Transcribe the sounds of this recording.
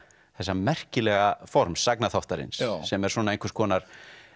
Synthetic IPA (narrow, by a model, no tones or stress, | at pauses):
θɛsːamɛr̥cɪlɛːɣafɔɾmsːaknaθɔwht̪aɾɪ̰nssːɛmɛɾ̥swɔːnaejŋkvəɾst̪kʰɔːnaɾ̥